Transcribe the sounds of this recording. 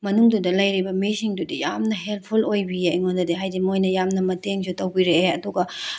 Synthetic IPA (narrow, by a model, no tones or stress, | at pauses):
mɐnuŋdudɐlɐjɾibɐmisiŋdudijamnɐɦelt̚pʰulojbiajŋondɐdeɦajdimojnɐjamnɐmɐteŋsutɐwbiɾeɐduɡɐ